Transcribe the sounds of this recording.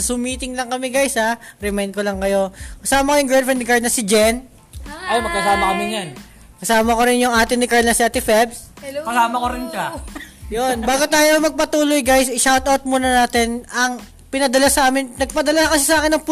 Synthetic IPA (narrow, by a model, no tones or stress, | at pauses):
sʊmiːt̪ɪŋlɐŋkɐmɛɡajshaɾɛmɛjn̚kolɐŋkɐjo̞kɐsaːmɐkojʊŋɡɹad̪fɹɛnd̪ɪkaɹnɐsɪd͡ʒɛn | ʔajmɐɡ̚kɐsaːmɐkɐmɪnan | kɐsaːmɐkoɾɪnjʊŋʔaːt̪ɪnɪkaɹnɐsɪʔɐt̪ɪfɛbskɐsaːmɐkoɾɪnʃajonbaːɡot̪aːjomɐɡ̚pɐt̪uːlojɡajsɪʃawt̪ʔɐwt̪̚muːnɐnaːt̪ɛnɐŋ | pɪnɐd̪ɐlasɐʔaːmɪnnɐɡ̚pɐd̪ɐlakɐsɪsɐʔaːkɪnːɐŋpʊ